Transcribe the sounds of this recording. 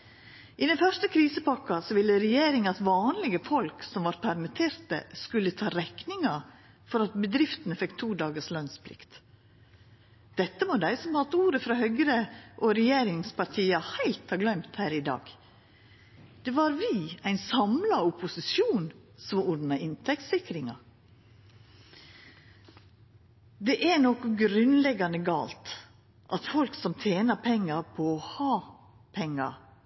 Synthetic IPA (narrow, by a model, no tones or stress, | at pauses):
ʔɪd̪ɛnfœʂtəkʰɾiːsəpɑkːɑsɔʋɪlːəɾɛjeːɾɪŋɑt̪ʋɑːnlɪɡəfɔlksɔmʋɑɾpʰæɾmɪt̪ʰeːɾt̪ə̰skʉlːət̪ʰɑːɾɛknɪŋɑ | fɔɾɑt̪̚bəd̪ɾɪft̪ənəfɛkt̪ʰuːd̪ɑːɡəʂlœnspʰlɪ̰kt̪ | d̪̥ɛt̪ːəmod̪æɪsɔmhɑt̪ːuːɾəfɾɑhœɡɾəʔɔɾɛjeːɾɪŋspɑɾt̪ʰiːɑhæɪlt̪hɑːɡlœmt̪hæːɾɪd̪ɑ̰ːɡ | d̪̥ɛʋɑɾʋɪæɪnsɑmlɑʊpʊsɪsjuːnsɔmʊd̪nɑɪnt̪ʰɛk̚t̪sɪkɾɪŋɑ | d̪ɛʔænɔkɔɡɾʉnlɛɡɑnəɡɑ̰ːlt̪ | ʔɑt̪fɔlksɔmt̪ʰjeːnɑpʰɛŋːɑɾpʰɔːhɑː | pʰɛŋːɑ̰